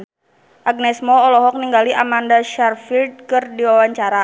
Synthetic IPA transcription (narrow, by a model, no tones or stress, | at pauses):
ʔaɡ̚nɛsmɔːlɔɦɔk̚niŋɡaliʔamandaʃarfild̚kɨrdiwawaɲt͡ʃaɾa